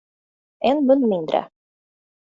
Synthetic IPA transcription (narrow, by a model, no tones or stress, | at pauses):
ɛnmɵnːmɪnd̪ɾə̰